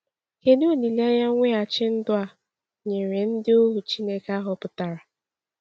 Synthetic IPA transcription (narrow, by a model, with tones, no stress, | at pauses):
he˦no˦o˦˨ni˨li˦a˦ja˦ŋʷe˦a˨t͡ʃɪ˦n̩˦dʊ˦a˨ | ɲe˨ŋe˨n̩˦dɪ˦o˦ɦu˨t͡ʃi˦ne˦ka˦ɦʊ˨pʊ˨ta˨ɾa˨